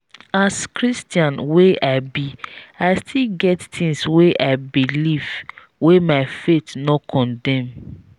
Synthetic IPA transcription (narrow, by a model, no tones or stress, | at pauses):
askɹistjãnweʔaɪbiaɪstʰilɡɛttĩŋsweʔaɪbiliv̥ | wemaɪfetnɔkʰɔ̃ndɛ̃m